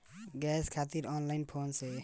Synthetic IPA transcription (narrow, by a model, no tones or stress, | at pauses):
ɡɛskʰat̪iɾɔːnlaɪnpʰonse